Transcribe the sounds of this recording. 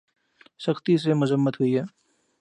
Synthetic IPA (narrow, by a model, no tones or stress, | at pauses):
səxt̪is̬emʊzəmːət̪ɦʊiɦɛː